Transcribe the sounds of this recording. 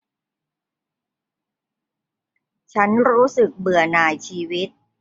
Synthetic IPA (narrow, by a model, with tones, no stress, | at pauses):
t͡ɕʰa˦˥nɾuː˦˥sɯ˨˩k̚bɯ˨˩ɐnaː˨˩jt͡ɕʰiː˧wi˦˥t̪̚